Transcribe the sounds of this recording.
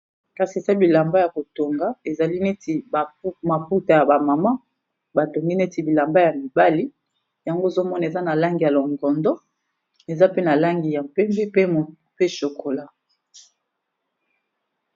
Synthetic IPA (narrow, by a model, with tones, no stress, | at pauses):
ka˦si˨e˨sa˦bi˨la˨mba˦ja˨ko˨to˨ŋɡa˦e˨za˨li˦ne˦ti˨ba˨˦ma˨pu˦ta˨ja˨ba˨ma˨ma˦ | ba˨to˨ŋɡi˦ne˦ti˨bi˨la˨mba˦ja˨mi˨ba˦li˦ | ja˨ŋɡo˦e˨zo˦mɔ˦na˨e˨za˦na˨la˦ŋɡi˨ja˨lo˨ŋɡɔ˨ndɔ˦ | e˨za˦pe˦na˨la˦ŋɡi˨ja˨mpɛ˦mbe˦pe˦˨ | pe˦ʃo˨kʰo˨la˦